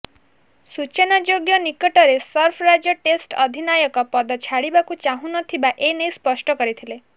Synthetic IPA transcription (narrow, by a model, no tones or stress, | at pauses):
sut͡ʃenad͡ʒoɡjɔnikɔʈɔɾesɔɾpʰɾad͡ʒjɔʈesʈɔd̪ʱinajɔkɔpɔd̪ɔt͡ʃʰaɽibakut͡ʃaɦũnɔt̪ʰibaʔenejspɔsʈɔkɔɾit̪ʰile